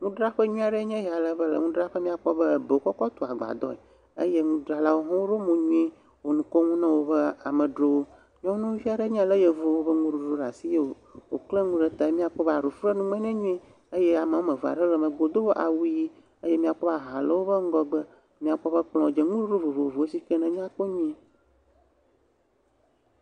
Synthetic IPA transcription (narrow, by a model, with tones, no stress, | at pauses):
ŋũ˦ɖɾa˦ɸə˦ɲũ˦a˨ɖe˦ɲɛ̃˦ɦa˨lə˦bə˦lə̰˨ŋũ˦ɖɾa˦ɸə˦mĩ˦a˨k͡pɔ˦bə˦˨be˨o˨kɔ˦kɔ˦t̪o˨a˨ɡ͡ba̰˨d̪ɔ̰˦e˨ | ə̰˦je˦ŋũ˦ɖɾa˨la˦wo˦ɦɔ̃˦wo˦ɖo˦mõ˨ɲũ˦i˦ | wo˨nũ˨ko˦ŋũ˦nã˦wo˦bə˦a˨mə˨ɖɾo˦wo˦ | ɲɔ̃˦nũ˦vi˦a˨ɖe˦ɲ̃˦a˨lə˦je˨vo˦wo˦bə˦ŋũ˦ɖu˨ɖu˦ɖa˨si˦je˦wo˨ | wo̰˨kle˦ŋũ˦ɖɛ˦t̪a˨˦mĩ˦a˨k͡pɔ˦ba˨ɾu˨fɾe˦nũ˦mɛ̃˦nɛ̃˦ɲũ˦i˦ | ə˦je˦a˨ma˨˦o˦mẽ˨va̰˨ɖɛ˦lə˨mə̃˨ɡ͡bo˨d̪o˦wo˦ʔa̰˨wu˦ji˦ | ə˦je˦mĩ˦a˨k͡pɔ˦ba˨ɦa˨lə˦wo˦bə˦ŋ̩˦ɡɔ˦ɡ͡bə˦ | mĩ˦a˨k͡pɔ˦ɸə˦k͡plɔ̃˨d͡ʒe˨ŋũ˦ɖu˦ɖo˦vo˨vo˨vo˨e˦si˦kɛ˦nɛ̃˨mĩ˦a˦k͡po˦ɲũ˦ẽ˦